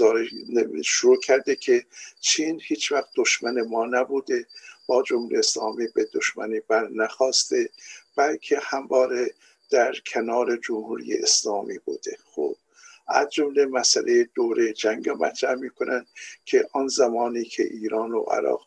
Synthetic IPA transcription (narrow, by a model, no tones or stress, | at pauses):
ɒːɾeʃoɾuːkʰæɾd̪ekʰet͡ʃʰiːnhiːt͡ʃvæxt̪̚d̪̥oʃmænemɒːnæbuːd̪eb̥ɒːd͡ʒomhuːɾijeeslɒːmiːbed̪oʃmæniːbæɾnæxɒːst̪e̞b̥ælkʰe̞hæmvɒːɾe | d̪̥æɾkʰenɒːɾe̞d͡ʒomhuːɾḭjḛʔeslɒːmiːbṵːd̪̥e̞xo̰b̥ | ʔæ̰zd͡ʒomlemæsælʔejed̪oːɾed͡ʒæŋɡæmæ̰t̪ʰɾæhmiːkʰonʔænd̪̥kʲʰeʔɒnzæmɒːniːkʰḛʔiːɾɒːno̰ʔæ̰ɾɒ̰ːʁ